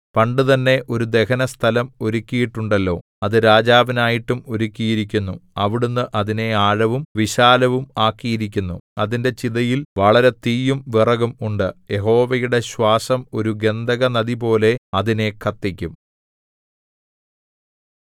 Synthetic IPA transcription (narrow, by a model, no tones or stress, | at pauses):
pɐɳɖɨt̪ɐnːe̞ʔo̞ɾud̪e̞kɐnɐst̪ʰɐlɐmo̞ɾukʲːijiʈːuɳɖɐlːo̞̰ː | ɐðɨɾaːd͡ʑaːʋinaːjiʈːumo̞ɾukʲːijiɾikʲːunːuɐʋiɽunːɨʔɐðine̞aːɻɐʋumʋiɕaːlɐʋumaːkːijiɾik̬ʲːunːuɐðinde̞t͡ɕiðɐjilʋɐɭɐɾe̞t̪iːjumʋirɐɣumuɳɖɨje̞ɦo̞ːʋɐjuɽe̞ɕwaːsɐmo̞̰ɾuɡe̞nd̪ʱɐɣɐnɐðipo̞ːle̞ɐðine̞kʰɐt̪ːikʲːum